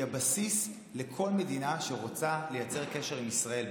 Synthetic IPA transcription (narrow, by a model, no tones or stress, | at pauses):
abasis | le̞kʰo̞lme̞dinaʃeʁot͡sale̞jat͡se̞ʁkeʃe̞ʁ̞imisʁae̞l